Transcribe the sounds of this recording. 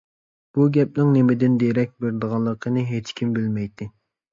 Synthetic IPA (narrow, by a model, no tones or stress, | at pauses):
b̥uɡʲɛp̚nɪŋnemɪd̪ɪnd̪eɾɛk̚ʲbeɾd̪əʁɑlˠːəqʰənɨɦet͡ʃkʲʰimbɪlmɛjt̪ʰːɪ